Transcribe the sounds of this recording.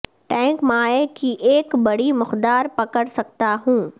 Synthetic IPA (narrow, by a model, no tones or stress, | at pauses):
ʈɛ̃ːŋkmaːekiʔeːkbɐɽimʊxd̪aːɾpɐkəɽsɐk̚t̪aɦũː